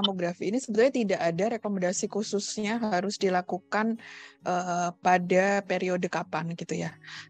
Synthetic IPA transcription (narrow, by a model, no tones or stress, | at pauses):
moɡɾafiːnisəbət̪ulɲat̪idaʔadaɾekomandasikususɲaɦaɾʊsdilakukanʔəpadapeɾiodəkapanɡit̪uja